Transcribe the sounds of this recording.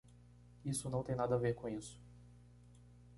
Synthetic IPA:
isʊnɐ̃w̃t̪ẽj̃nad̪ɐaveɾkõisʊ̥

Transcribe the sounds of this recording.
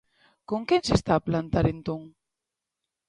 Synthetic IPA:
koŋkensest̪aːplant̪aɾent̪õŋ

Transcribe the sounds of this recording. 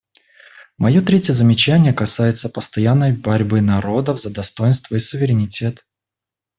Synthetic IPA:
mɐjo̞t̪ɾʲetʲjəzəmʲɪt͡ɕænʲɪjəkɐsajɪt̪səpəst̪ɐjanːəjbɐɾʲbɨnɐɾo̞d̪əvzəd̪ɐst̪o̞jɪnst̪vəisʊvʲɪɾʲɪnʲɪtʲe̞t̪

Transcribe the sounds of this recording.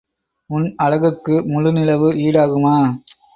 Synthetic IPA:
ʊnɐɻɐɣɯkːɯmʊɻɯnɪlɐʋɯiːɽaːɣɯmaː

